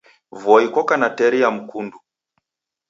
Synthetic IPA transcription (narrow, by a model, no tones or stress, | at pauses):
vɔikɔkanatɛɾiam̩kundu